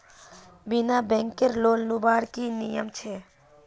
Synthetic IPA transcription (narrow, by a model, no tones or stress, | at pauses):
binabɛ̃ŋkeɾloːnlubaːɽkinijəmt͡ʃʰe